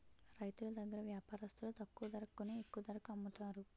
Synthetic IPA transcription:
ɾɐjt̪ulɐd̪ɐɡːɐɾɐʋjaːpaːɾɐst̪ulut̪ɐkːuʋɐd̪ɐɾɐkkːuneekːuʋɐd̪ɐɾɐkuɐmːut̪aːɾu

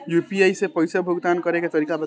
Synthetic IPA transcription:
jupiajsepʌjsɔbʱuɡt̪ankʌɾeket̪ʌɾikabə

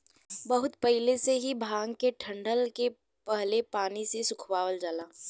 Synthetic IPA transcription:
bɐɦʊt̪pɐɦɪleseɦibʱaːŋɡkeʈʰɐ̃ɳɖəlke | pɐɦlepaːnisesʊkʰwaːʋəld͡ʒəlaː

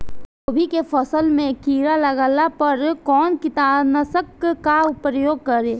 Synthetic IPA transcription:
toːbʱikefʰəsəlmẽkiːɾalɐɡaːlapəɾkɔːnkɪt̪aːbnəsəkkaʊpɾəjoːɡ̚kɐɾeː

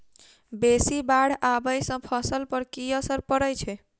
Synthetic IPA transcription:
besibaɽ̤abəjsə̃pʰəsəlpəɾkiəsəɾpəɾəjt͡ʃʰɛ

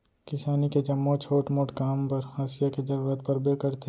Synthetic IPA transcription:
kɪsaːniked͡ʒɐmːot͡ʃʰoːʈmoːʈkaːmpɐɾhaːsɪjaked͡ʒɐɾuːɾət̪pɐɾbekɐɾt̪ʰe

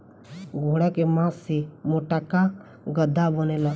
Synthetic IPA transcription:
ɡʱuːɽakemãːsːemoːʈaka | ɡəd̪ʱːabənela

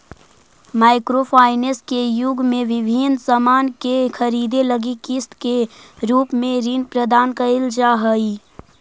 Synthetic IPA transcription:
maːɪkɾopʰaːɪneskejʊɡʱmẽʋɪbʱinsamaːnkekʰəɾiːd̪eləɡikɪst̪keɾuːpmẽɾinpɾəd̪aːnkəɪld͡ʒaːɦəi

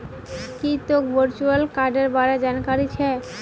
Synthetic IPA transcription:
kit̪okbəɾt͡ɕualkaɾɖeɾbaɾad͡ʑankaɾit͡ɕʰɛ

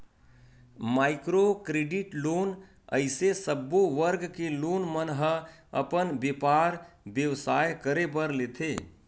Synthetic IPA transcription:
maːɪkɾokɾeːɖɪʈloːn | ə̰ɪsesəbːoʋəɾɡkeloːnmənɦəə̰pənbeːpaːɾbjəʋsaːjkəɾebəɾleːt̪ʰeː

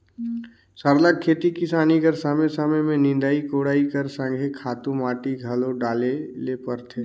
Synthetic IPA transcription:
səɾləkʰːeːt̪ikɪsaːniɡəɾsəmesəməmẽnɪ̃nd̪aːikoːɽaːikəɾsə̃ŋɡʱekʰaːt̪ũmaːʈiɡʱəloɖaːlelepəɾt̪ʰeː

